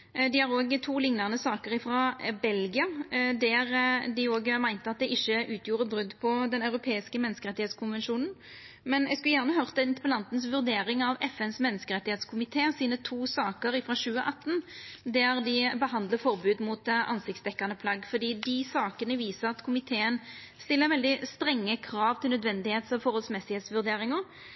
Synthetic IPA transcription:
d̪ɪhɑɾoːɡt̪ʰuːlɪŋnɑʁnəsɑːkəɾɪfɾɑbɛlɡɪɑd̪æʁd̪ɪoːɡmæɪnt̪əɑt̪̚d̪ɛʔɪçːəʔʉːt̪ʰjuːɾəbʁʉd̪ːpʰɔd̪ɛnɑʉɾʊpʰeːɪskəmɛnːəskəʁɛt̪ːɪheːt̪skʰʊnʋɛnʃuːnn̩ | mɛnɛɡskʉljæːʁnəɦœʁt̪ɛnt̪pɔlɑnt̪nsʋʉʁd̪eːɾɪŋɑʋɛfɛnsmɛnːəskəɾɛt̪ːɪheːt̪skʰʊmɪt̪ʰeːsiːnət̪ʰuːsɑːkəɾɪfɾɑɕʉːəʔɑt̪ːnd̪æɾd̪ɪbəɦɑnd̪ləfɔɾbʉːd̪muːt̪ɑ̰nsɪk̚tsd̪ɛkːɑnəpʰlɑɡfɔd̪iːd̪ɪsɑːkənəʋiːsəɾɑt̪kʰʊmɪt̪ʰeːən | st̪ɪlːəɾʋɛld̪ɪst̪ɾɛŋːəkʰɾɑːʋt̪ʰɪlnœd̪ʋɛnd̪ɪheːt̪sɔfɔɾhɔlsmɛsɪheːt̪sʋʉʁd̪eːɾɪŋəɾ

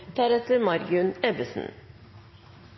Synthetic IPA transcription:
d̪̥æːɾɛt̪əɾmɑɾɡʉnɛbəsn̩

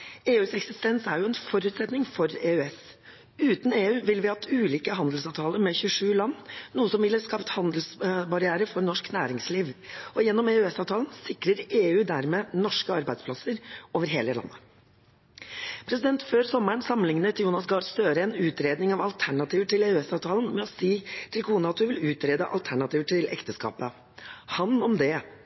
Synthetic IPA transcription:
eːʉːsɛksɪst̪ɛnsæɾjʊɛnfɔɾʉːt̪sɛt̪nɪŋfɔɾeːʉɛs | ʉːt̪n̩eːʉːʋɪlʋɪɑt̪ʰʉːliːkəɦɑnd̪əl̩sɑːʋt̪ʰɑːləɾmɛçʉʂʉːlɑnːuːəsɔmʋɪlːəskɑːpt̪hɑnd̪əlsbɑɾɪæːɾəfɔɾnɔʂknæːɾɪŋsliːʋɔjɛnːɔmeːʉɛsɑːʋt̪ʰɑːlənsɪkɾəɾeːʉːd̪æɾmeːnɔʂkəɑɾbæɪspʰlɑsəɾoːʋəɾɦeːləlɑ̰nːə | pʰɾɛsɪd̪ɛnt̪føːɾsɔmæɳsɑmːənɪŋnət̪ʰɪljuːnɑsɡɑːɖst̪øːɾəɛnʉːt̪ɾeːd̪nɪŋɑʋɑlt̪ʰæɳɑt̪ʰiːʋəʈɪleːʉɛsɑːʋt̪ʰɑːlən̩mɛɔsiːt̪ʰɪlkʰuːnəɑt̪̚d̪ʉʋɪlʉːt̪ɾeːd̪əʔɑ̰lt̪ʰæɳɑt̪iːʋəʈʰɪlʔɛ̰kt̪əskɑ̰ːpə | hɑnɔmd̪ɛ

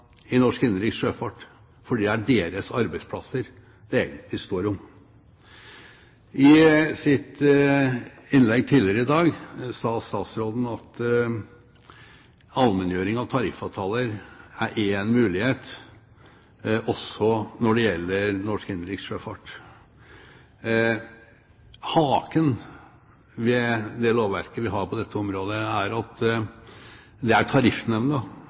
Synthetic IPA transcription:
ɪnɔʂkɪnːəɾɪːksʂøːfɑʈ | fɔɖiːd̪æɖeːɾəsɑɾbæɪspʰlɑsəɾ | d̪̥ɛeːɡənt̪ʰlɪst̪oːɾʊm | ɪsɪt̪ | ɪnlɛɡ̚t̪ʰiːlɪəɾəɪd̪ɑːɡsɑːst̪ɑːt̪sɾoːd̪n̩ɑt̪ | ɑlmɛnjøːɾɪŋɑʋt̪ʰɑɾɪfɑt̪ʰɑːləɾæɾʔeːnmʉːlɪheːt̪ | ʔɔsɔnɔɖɛjɛlːəɾnɔʂkɪnəɾɪksʂøːfɑʈ | hɑːkən | ʋɛd̪ɛloːʋæɾkəʋɪɦɑɾpʰɔd̪ɛt̪ːəɔmɾoːd̪əæɾɑt̪ | d̪ɛæʈʰɑɾɪfnɛʋnə

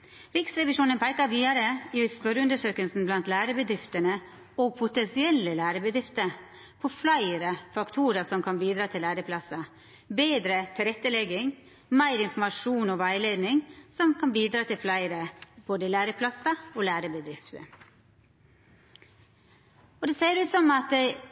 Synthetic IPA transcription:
ɾɪksɾɛʋɪʃuːnənpʰæɪkəʋiːd̪ɑɾəɪspœɾəʉnd̪əʂøːkəlsn̩blɑnt̪læːɾəbəd̪ɾɪft̪ənə | oːɡ̚pʰʊt̪ɛnsɪɛlːəlæːɾəbəd̪ɾɪft̪ə | pʰoːflæɪɾəfɑkt̪ʰuːɾəsɔmkʰɑnbiːd̪ɾɑːt̪ʰɪlæːɾəpʰlɑsɑ | beːd̪ɾət̪ʰɪlɾɛt̪ːəlɛɡɪŋ | mæɪɾɪnfɔmɑʂuːnɔʋæɪleːd̪nɪŋsɔmkʰɑnbiːd̪ɾɑːt̪ʰɪlflæɪɾəb̥oːd̪əlæːɾəpʰlɑsɑoːlæːɾəbəd̪ɾɪft̪ə̰ | ɔd̪ɛseːɾʉːt̪sɔmɑt̪̚d̪ɛɪ

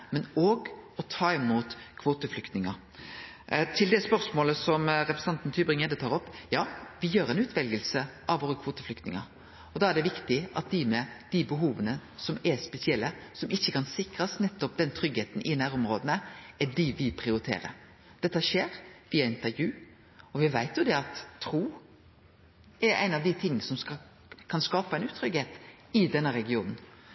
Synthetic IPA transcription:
mɛnoːɡɔt̪ʰɑːɪmuːt̪kʰʋoːt̪əflʏkt̪nɪŋɑ | t̪ʰɪld̪ɛspœɾsmoːləsɔmɾɛpɾsɑnt̪nt̪ʰyːbɾɪŋɛd̪ət̪ʰɑːɾɔpːjɑːʋɪjøːɾæɛɪnʉːt̪ʰʋɛlɡəlsəʔɑʋoːɾəkʰʋoːt̪əflʏkt̪nɪŋə̰ | ɔd̪ɑæɖɛʋɪkt̪ɪʔɑ̰t̪̚d̪ɪmɛd̪̥ɪbəɦuːʋənəsɔmɛspɛsɪɛlːəsɔmɪçːəkʰɑnsɪkɾɑsnɛt̪ːɔp̚d̪ɛnt̪ʰɾʏɡeːt̪nʔɪnæːɾʊmɾoːd̪ənəæɖɪʋɪpʰɾɪʊɾɪt̪ʰḛːɾə̰ɾ | d̪̥ɛt̪ːəʃeːɾʋiːɑɪnt̪əɾjʉː | ɔʋɪʋæɪt̪jʊd̪ɛɑt̪ʰːɾuː | ɛɾæ̰ɪnɑʋd̪ɪt̪ʰɪŋːsɔmsɑ | kʰɑnskɑːpɑæɪnʉːt̪ʰɾʏɡheːt̪ | ɪd̪ɛnːəɾɛɡɪuːnn̩

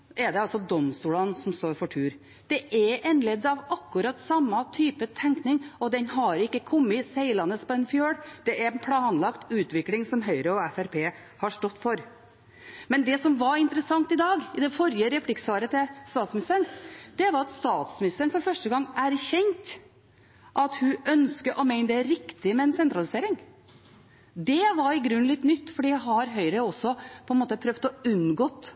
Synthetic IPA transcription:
ʔɛd̪ɛɑlsɔd̪ɔmst̪uːlɑnsɔmst̪oːɾfɔʈʰʉːɾ | d̪̥ɛʔɛɾɛnlɛd̪ːɑʋɑkːʉɾɑt̪ːsɑmːɑt̪ʰyːpət̪ʰɛŋknɪŋɔd̪ɛnhɦɑɾɪkːəkʰɔmːɪsæɪlɑnːəspɔɛnfjøːɽd̪̥ɛʔɛɾnpʰlɑːnlɑkt̪ʉːt̪ʋɪklɪŋsɔmɦœʏɾəɔɛfæɾpʰeː | hɑʂʈɔt̪ːfɔɾ | mɛnd̪ɛsɔmʋɑɾɪnt̪əɾəsɑŋt̪ɪd̪ɑːɡɪd̪ɛfɔɾjəɾɛpʰlɪksʋɑːɾət̪ʰɪst̪ɑːt̪smɪnɪst̪əɾəɳd̪̥ɛʋɑɾɑt̪st̪ɑːt̪smɪnɪst̪əɾəɳfɔɾfœʂʈəɡɑŋːæɾçɛŋt̪ | ʔɑt̪hʉʔœnskəʔɔmæɪnəd̪ɛæɾɾɪkt̪ɪmɛɛnsɛnt̪ɾɑlɪseːɾɪŋ | d̪ɛʋɑɾɪɡɾʉnːlɪt̪ːnʏt̪ːfɔɖiːæɦɑɾɦœʏɾəɔsːɔpʰɔɛnmoːt̪əpʰɾœʋt̪ɔʉnɡoːt̪

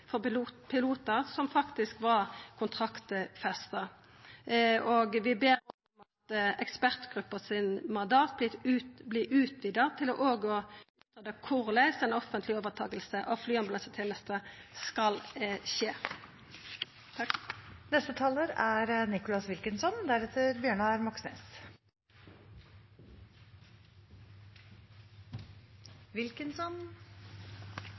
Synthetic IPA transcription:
fɔpʰɪluːt̪əʁsɔmfɑkt̪ɪskʋɑʁkʰʊnt̪ʰʁɑkt̪fɛst̪ɑ | oːɡʋɪbeːʁ | mɑt̪ɛkspæʁt̪ɡ̥ʁʉpːəsɪnmɑnd̪ɑːt̪̚b̪ɪʉblɪʔʉːt̪ʰʋid̪ɑt̪ʰɪlɔ̰ʔoːɡɔʉːt̪ʰʁɑd̪əkʰʊʁlæɪsɛnɔfənt̪ʰlɪoːʋəʁt̪ʰɑːɡəlsəʔɑʋflyːɑnbɑlɑsət̪ʰɪlnɛst̪əskɑlʃeː | nɛst̪ət̪ʰɑləɾæɾnɪkʊlɑsʋɪlkənsɔnd̪æɾɛt̪ʰəɾbjøːɳɑæɾmɑksnḛːs | ʋɪlkənsɔn

